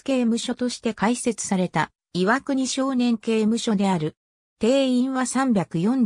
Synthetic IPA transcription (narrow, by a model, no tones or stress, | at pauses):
ke̞ːmɯ̟ɕo̞t̪o̞ɕi̥t̪e̞kaise̞t͡sɨ̥saɾe̞t̪a | iβakɯ̟ɲ̟iɕo̞ːnẽ̞ŋke̞ːmɯ̟ɕo̞d̪e̞aɾɯ̟ | t̪e̞ːĩɰ̃βasãmbʲakɯ̟jõ̞n